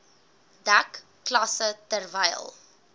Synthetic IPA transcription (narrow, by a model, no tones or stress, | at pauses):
dakː | lɐsətərvɛjəlˠ